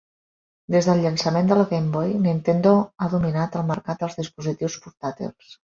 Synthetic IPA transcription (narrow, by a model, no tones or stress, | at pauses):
d̪ezðəlʎənsəmend̪əlɣembɔjnint̪end̪oaðuminat̪əlˠməɾkat̪̚d̪əlˠzðispuzit̪iwspuɾt̪at̪ḭlˠs